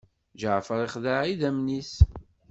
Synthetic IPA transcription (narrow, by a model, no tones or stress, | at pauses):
ʒəʕfəɾˤiχðaʕiðæmnis